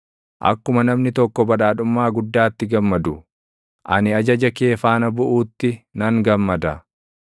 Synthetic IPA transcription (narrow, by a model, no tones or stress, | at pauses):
ʔɐ̰kːʊmɐnɐmnɪt̪ɔkːɔbɐᶑaːᶑʊmːaːɡʊd̪ːaːt̪ːɪɡɐmːɐd̪ʊ | ʔɐnɪɐd͡ʒɐd͡ʒɐke̞ːfaːnɐbʊʔuːt̪ːɪnɐŋɡɐmːɐd̪ɐ